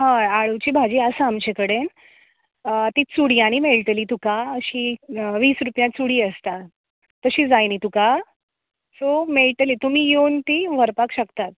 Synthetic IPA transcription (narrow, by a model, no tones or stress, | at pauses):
ɦãaɭut͡ɕiːbʱad͡ʑiːəsaamt͡ɕekəɽen | t̪iːt͡suɽiːaɽ̃imeɭʈ̪liːt̪ukaəɕiʋiːsɾupjãt͡suɽiːəst̪a | t̪əɕiːd͡zajnit̪uka | someɭʈ̪liːt̪um̤iːjont̪iʋ̤əɾpakɕəkt̪at̪̚